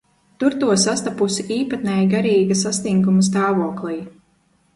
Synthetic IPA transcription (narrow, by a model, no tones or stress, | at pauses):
t̪uɾt̪uɔsast̪apusiʔiːpat̪̚nɛjɡaɾiːɡasast̪iŋɡumɐs̬t̪aːvuɔklˠij